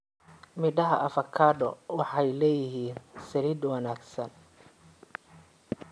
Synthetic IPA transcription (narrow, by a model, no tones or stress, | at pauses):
mɪɖɐɦɐʔɐfɐkʰaːɖɔwɑħɑjlɛːjɪɦiːnsɐliːd̪wɑnaːɡsɐn